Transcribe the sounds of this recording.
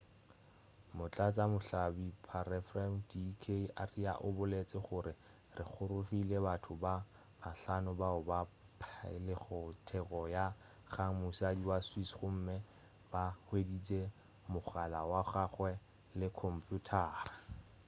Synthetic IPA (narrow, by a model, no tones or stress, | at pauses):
mʊt͡ɬʼat͡sʼamʊɬabipʰarɛfrandikʰeʔaria̰ʔʊbʊlet͡sʼɪχʊɾɪ | rɪχʊɾʊfilebatʰʊba | maɬanʊbaʊba | pʰlɪχʊtʰɛkʼɔja | χaŋmusiadiwaswisχʊm̩mɪ | bahwedit͡sʼe | mʊχalawaχaχwɛ | lɪkʰɔm̩pʰjutʰaːrḁ